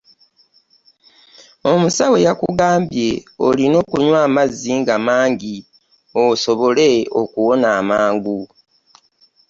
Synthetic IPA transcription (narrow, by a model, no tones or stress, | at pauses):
omusawe̞jakuɡaːmbje̞olino̞ːkuɲwaːmazːiŋɡamaːŋɟi | oso̞βo̞le̞okuwo̞naːmaːŋɡu